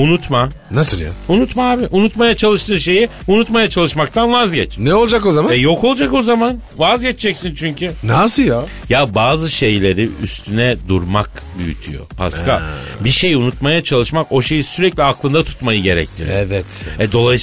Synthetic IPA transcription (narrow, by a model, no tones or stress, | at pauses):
unut̪ma | nasɯlˠja̰unut̪maaːbiʔunut̪majat͡ʃʰalˠɯʃt̪ʰɯːʃe̞ji | unut̪majat͡ʃʰalˠɯʃmak̚t̪ʰanvazɟɛt͡ʃnɛolˠd͡ʒakozamaɛjo̞ko̞lˠd͡ʒako̞zaman | vazɟɛt͡ʃd͡ʒɛcsint͡ʃʰyɲcʰynasɯja | jabaːzɯʃe̞jlʲe̞ɾiy̰st̪ʰynɛd̪uɾmakbyjyt̪ʰy̰jo̰pʰa̰ska̰biʃe̞junut̪majat͡ʃʰalˠɯʃmako̞ʃe̞jisyɾɛclʲiaklˠɯnd̪at̪ʰu̥t̪majɯɟe̞ɾɛ̰clʲij̰ɛvɛt̪ɛd̪o̞lˠaj